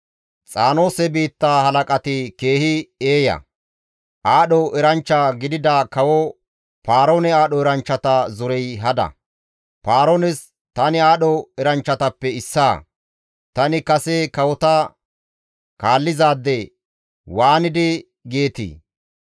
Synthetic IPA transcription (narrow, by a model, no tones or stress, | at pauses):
t͡sʼaːno̞ːsɛbiːt̪ːaːhɐlɐkʼɐt̪ɪke̞ːhɪeːjɐ̰ | ʔaːɗɔʔɛɾɐnt͡ʃːaɡɪd̪ɪd̪aːkɐwɔ | paːɾoːnɛaːɗɔɛɾɐnt͡ʃːɐt̪ɐzɔɾɛjɦɐd̪ɐ̰ | paːɾoːnɛs | t̪ɐnɪaːɗɔɛɾɐnt͡ʃːɐt̪ɐpːɛɪsːaː | t̪ɐnɪkɐsɛkɐwɔt̪ɐ | kaːlːɪzaːd̪ːɛ | waːnɪd̪ɪ | ɡeːt̪ḭː